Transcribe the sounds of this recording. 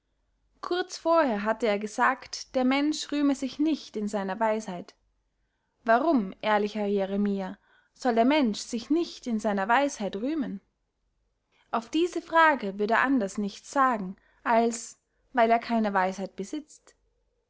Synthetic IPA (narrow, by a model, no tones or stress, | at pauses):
kʰʊɐt͡sfoːɐheːɐɦatəeːɐɡəzaːktd̥eːɐmɛnʃʁyːməzɪçnɪçtɪnzaɪnɐvaɪshaɪt | vaʁʊmʔeːɐlɪçɐjeʁemiːa | z̥ɔldeːɐmɛnʃz̥ɪçnɪçtɪnzaɪnɐvaɪshaɪtʁyːmən | ʔaʊfd̥iːzəfʁ̥aːɡəvʏɐdḛʔandɐsnɪçtt͡sz̥aːɡŋ̩ | ʔals | vaɪleːɐkʰaɪnəvaɪshaɪt̚b̥əzɪt͡st